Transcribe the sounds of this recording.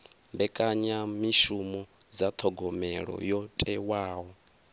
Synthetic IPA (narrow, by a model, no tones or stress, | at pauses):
mbɛkʼaɲamiʃumɔ | d͡zat̪ʰɔɡɔmɛɺɔ̰jɔtʼɛwaːɦɔ